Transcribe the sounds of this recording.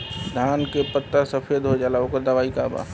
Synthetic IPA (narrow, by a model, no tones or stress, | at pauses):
d̪ʱaːnkepət̪ːasəpʰed̪ɦod͡ʒaːlaokəɾd̪əʋaːikaːba̰ː